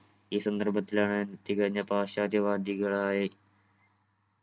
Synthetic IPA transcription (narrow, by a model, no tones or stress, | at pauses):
iːsɐnd̪ɐrbɐt̪ːilaːɳɨnt̪ːikɐɻiɲːɐpaːɕaːd̪ʱjɐʋaːd̪iɣɐɭaːjɐ